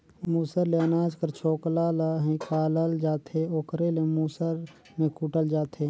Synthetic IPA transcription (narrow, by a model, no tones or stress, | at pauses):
muːsəɾleːnaːd͡ʒkəɾt͡ʃʰoːklalɦĩkaːləld͡ʒaːt̪ʰeoːkɾelemuːsəɾ | mẽkuʈəld͡ʒaːt̪ʰe